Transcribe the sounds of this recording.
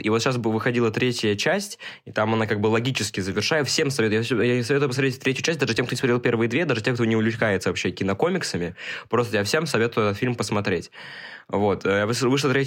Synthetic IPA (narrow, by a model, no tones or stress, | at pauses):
ivot̪ɕas̬bvɨxɐdʲilˠət̪ɾʲetʲjət͡ɕæsʲtʲɪt̪amɐnakaɡ̚bɨlˠɐɡʲit͡ɕɪskʲɪzəvʲɪrʂajəfsʲemsɐvet̪ʊjafsʲjasɐvʲet̪ʊjʲpəsmɐɾeɪtʲt̪ɾʲetʲjʊʉːt͡ɕæsʲt̚ʲd̪aʐɨtʲemkt̪osmɐt̪ɾʲelˠpʲe̞rvɨjəd̪vʲed̪aʐɨtʲemkt̪onʲɪʊlʲʊt͡ɕkajɪt̪səvɐpɕːekʲɪnɐko̞mʲɪksəmʲɪpɾo̞st̪əjafsʲe̞msɐvʲe̞t̪ʊjʊɛt̪ət̪filʲmpəsmɐt̪ɾʲetʲ | vo̞t̪ːjavɨvɨʂlˠət̪ɾʲe